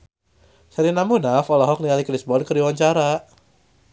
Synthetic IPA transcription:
saɾinamunafɔlɔɦɔk̚nialikɾisbɔnkəɾiwaɲt͡ʃaɾa

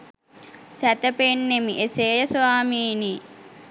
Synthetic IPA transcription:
sæt̪əpenːemiʔeseːjəsaːmiːni

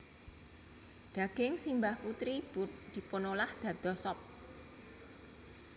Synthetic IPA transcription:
ɖ̪̥ä̤ɡ̥ɪŋsimbahput̪ɾibud̪̥i̤ponolahd̪̥ä̤d̪̥ɔ̤sɔp̚

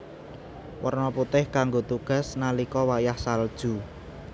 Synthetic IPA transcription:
wərnɔput̪ɪhkaŋɡot̪uɡ̥ä̤snalikɔwajahsald̥ʒ̥ṳ

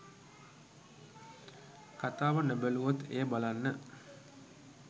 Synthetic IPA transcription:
kat̪aːʋənəbəluʋot̪ḛːəbalanːə

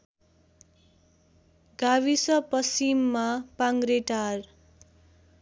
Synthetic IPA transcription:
ɡaβisʌpʌsimːapaŋɡɾeʈar

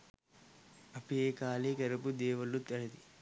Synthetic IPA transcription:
ɐpijeːkaːlekɐɾɐpud̪eːʋɐlːut̪ɐɭɐd̪i

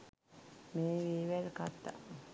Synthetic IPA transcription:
meːʋiːʋelkat̪ːa̰

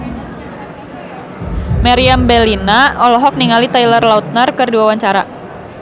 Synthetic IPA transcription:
maɾiambɛlinaɔlɔɦɔk̚niŋalit̪ajlərlaut̪̚narkərduawaɲt͡ʃaɾa̰

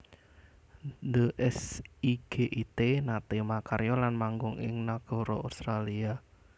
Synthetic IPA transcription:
dəʔɛsiɡ̥eʔit̪enat̪emakaɾjɔlanmaŋɡʊŋʔɪ̰ŋnaɡ̥ɔ̤ɾɔust̪ɾalia

